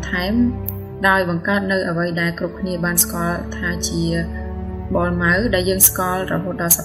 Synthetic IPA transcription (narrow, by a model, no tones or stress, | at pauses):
t̪ʰaɛm | ɗaɔjɓɑŋkaət̪̚nɨwʔəʋəjɗaɛlkrup̚kʰniəɓaːnskŏəlt̪ʰaːt͡ɕiə | ɓolmawɗaɛljəːŋskŏlrɔɦoːt̪̚ɗɑlsa